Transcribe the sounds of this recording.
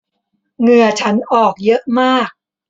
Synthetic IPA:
ŋɯ˧ɐt͡ɕʰa˦˥nʔɔː˨˩k̚jɤ˦˥ʔmaː˥˩k̚

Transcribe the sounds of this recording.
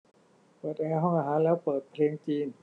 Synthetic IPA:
pɤː˨˩t̪̚ʔɛː˧ɦɔ˥˩ŋʔaː˧˩ɦaː˩˦nlɛː˦˥˩wpɤː˨˩t̪̚pʰleː˧ŋt͡ɕiː˧n

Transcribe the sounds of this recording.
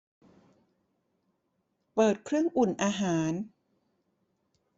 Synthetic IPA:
pɤː˨˩t̪̚kʰɾɯ˥˩əŋʔu˨˩nʔaː˧ɦaː˩˦n

